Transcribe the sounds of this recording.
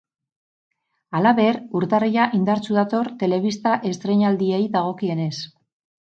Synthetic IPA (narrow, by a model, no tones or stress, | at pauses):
alaβe̞ɾuɾt̪arijaʔind̪aɾt͡suðat̪o̞ɾt̪e̞le̞βist̪aʔe̞st̪ɾe̞ɲald̪ie̞jðaɣ̞o̞kie̞ne̞s